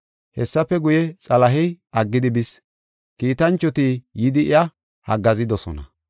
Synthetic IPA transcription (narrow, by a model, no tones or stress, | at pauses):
hɛsːɐpːɛɡʊjɛt͡sʼɐlɐɦɪjʔɐɡːɪd̪ɪbɪs | kiːt̪ɐnt͡ʃːɔt̪ijɪd̪ɪʔɪjɐ | hɐɡɐzɪd̪ɔsɔ̰nɐ̰